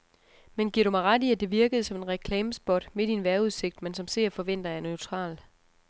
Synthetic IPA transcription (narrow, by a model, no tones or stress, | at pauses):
menɡ̥iɐɾ̥umɑ̈ɪʁɑ̈d̥iæd̥e̝ʋiɐɡ̥əð̩ˠsɒ̽me̝nʁɛkʰlɛːməsb̥ɒ̽d̥me̝d̥inʋæɐuðˠse̝ɡ̥̚d̥mensɒ̽mse̝ɐ̰fɒ̽ʋen̰d̥ɐjɑ̈nøʊt͡sʰʁɑ̰̈ːl